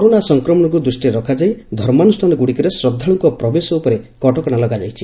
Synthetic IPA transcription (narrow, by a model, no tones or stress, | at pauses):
kɔɾonasɔŋkɾɔmɔɽ̃ɔk̬ud̪ɾusʈiɾɔkʰad͡ʒajd̪ʱɔɾmanusʈʰanɔɡuɽikɔɾesɾɔd̪ʱːaɽ̃ɔŋkɔpɾɔbesɔupɔɾekɔʈɔkɔɽ̃alɔɡad͡ʒajt͡ʃʰi